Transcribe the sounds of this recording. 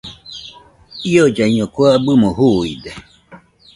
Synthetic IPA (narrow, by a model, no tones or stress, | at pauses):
iod͡ʒaiɲõkwabɨmõhuid̪e